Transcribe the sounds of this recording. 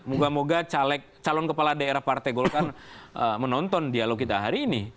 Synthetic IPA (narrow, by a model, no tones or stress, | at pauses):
muɡamoɡat͡ʃalɛk̚t͡ʃalɔnkəpaladaeɾahpart̪aɡɔlokanəmənɔnt̪ɔndialoɡ̚kit̪aɦaɾiːni